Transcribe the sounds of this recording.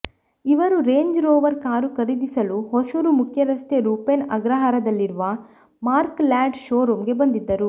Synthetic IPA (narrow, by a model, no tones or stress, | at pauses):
iʋɐɾuɾeːɲd͡ʒɾoːʋɐɾkaːɾukɐɾid̪isɐluɦɔsɐɾumukʰjɐɾɐst̪jeɾuːpenɐ̰ɡɾɐɦaːɾɐd̪ɐlːiɾuʋɐ | maːɾklaːɖʃoːɾuːmɡe̞bɐnd̪id̪ːɐɾu